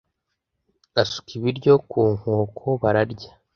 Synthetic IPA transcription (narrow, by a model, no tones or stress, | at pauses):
asu̥kiβiɾɟo̞kuːŋ̥oːkʰo̞βaɾaɾɟḁ